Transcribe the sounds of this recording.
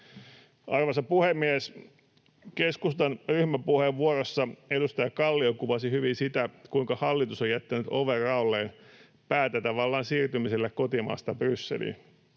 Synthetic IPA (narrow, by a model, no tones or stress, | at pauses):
ʔɑrʋɑsɑpuhemːies | keskust̪ɑnryhmæpuheʋʋuorosːɑedust̪ɑjɑkɑlːiokuʋɑsihyʋinsit̪ækuiŋkɑhɑlːit̪usojæt̪ːænyt̪oʋerɑulːeːn | pæːt̪æt̪ɑʋɑlːɑːnsiːrt̪ymiselːekkot̪imɑ̰ːst̪ɑbrysːḛlḭn